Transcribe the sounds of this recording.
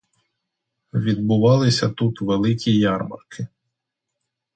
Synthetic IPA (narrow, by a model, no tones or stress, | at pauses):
ʋʲid̪̚bʊʋɑlˠɪsʲɐt̪ut̪ʋelˠɪkʲijɑrmɐ̰rkʰɪ